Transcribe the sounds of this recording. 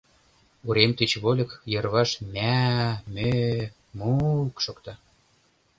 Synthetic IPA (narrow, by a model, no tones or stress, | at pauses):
uɾemt̪et͡ɕβolʲɤ̆kjɤ̆rβɑʃmʲæmø | mukʃokt̪ɑ